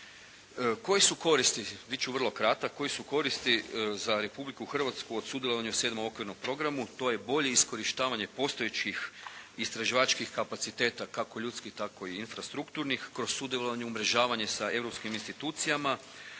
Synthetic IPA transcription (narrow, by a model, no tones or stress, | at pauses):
əko̞jesuko̞ɾist̪iʋit͡ʃuʋrlˠo̞kɾat̪ako̞jisuko̞ɾist̪izaɾe̞publikuxrʋat̪skuo̞d̪sud̪jelo̞aɲuse̞d̪moo̞kʋiɾnompɾo̞ɡɾamut̪o̞je̞bo̞ʎe̞isko̞ɾiʃt̪aːʋaɲe̞po̞st̪o̞jet͡ʃixist̪ɾaʒiʋat͡ʃkixkapat̪sit̪e̞t̪akako̞ʎuːt̪skixt̪ako̞iinfɾast̪ɾukt̪uɾnixkɾossud̪jeloʋaɲuumɾe̞ʒaːʋaɲe̞sae̞vɾo̞pskiminst̪it̪uːt̪sijama